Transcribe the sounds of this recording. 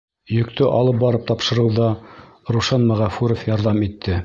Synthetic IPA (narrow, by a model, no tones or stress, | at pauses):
jɵ̆kt̪ʰɵʔɑlˠɤp̚bɑɾɤp̚t̪ɑpʃɤ̆ɾɤwðɑ | ɾuʃɑnmæʁæfʉɾofjɑɾðɑmit̪ʰːɘ